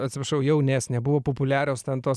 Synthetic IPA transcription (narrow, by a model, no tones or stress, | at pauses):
ɐt̪ʲsʲɪpɾɐʃɐʊjɛʊnʲeːsnʲɛbʊʋoːpopʊlʲæːɾʲoːst̪ʲɛnt̪oːs